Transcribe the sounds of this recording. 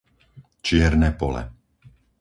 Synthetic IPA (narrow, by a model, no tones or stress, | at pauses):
t͡ʃɪɛɾnɛːpɔlɛ̰